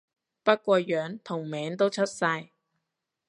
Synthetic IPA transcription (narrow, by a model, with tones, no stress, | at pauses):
pɐ˥t̚kʷɔː˧jœː˨˥ŋt̪ʰʊ˨˩ŋmɛː˨˥ŋt̪o˥wt͡ʃʰɵ˥t̚sɐ˧j